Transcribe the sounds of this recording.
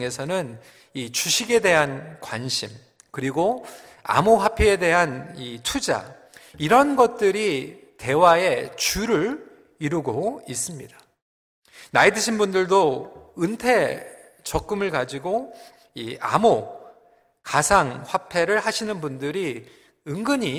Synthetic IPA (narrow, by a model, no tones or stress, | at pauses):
ŋe̞sʰʌnɯn | it͡ɕuɕʰiɡe̞de̞ɦankwanɕʰim | kɯɾiɡo | a̰moɸwapʰiede̞ɦanitʰud͡ʑa̰ | iɾʌnɡʌt̚t͈ɯɾi | te̞wae̞t͡ɕuɾɯɾ | iɾuɡois͈ɯmɲid̥ḁ | naidɯɕʰinbundɯɭdoɯntʰe̞ | t͡ɕʌk̚k͈ɯmɯɭkad͡ʑiɡo | ia̰mo | kasʰaŋɸwapʰe̞ɾɯɭhaɕʰinɯnbundɯɾi | ɯŋɡɯɲi